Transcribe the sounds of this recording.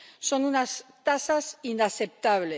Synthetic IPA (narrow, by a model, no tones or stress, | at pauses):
so̞nunast̪asasinaθep̚t̪aβle